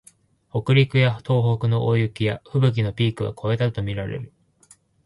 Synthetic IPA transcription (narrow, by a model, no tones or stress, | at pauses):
ho̞kɯ̟ɾʲikɯ̟jḁt̪ʰo̞ːɦo̞kɯ̟no̞ʔojɯkʲijaɸɯ̟bɯ̟k̬ʲino̞pʲiːkɯ̟βa̰kʰo̞e̞t̪at̪o̞mʲiɾaɾḛɾɯ̟